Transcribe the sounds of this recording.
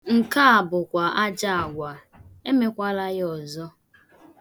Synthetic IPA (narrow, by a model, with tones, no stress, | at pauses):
ŋ̩˨ka˦a˨bʊ˨kʷa˨ʔa˦d͡ʒa˦a˨ɡʷa˨ | e˦me˦kʷa˦la˦jɔ˨zɔ˦